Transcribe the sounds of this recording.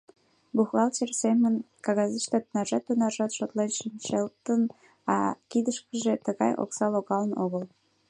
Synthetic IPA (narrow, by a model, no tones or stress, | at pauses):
buɣɑlt͡ɕersemən | kɑɣɑzət͡ɕt̪ɑt̪ənɑʒɑt̪ːunɑʒɑt̪ʃot̪lenʃənt͡ɕelt̪ən | ɑkid̪əʃkəʒet̪əɣɑjo̰ksɑloɣɑlənoɣəl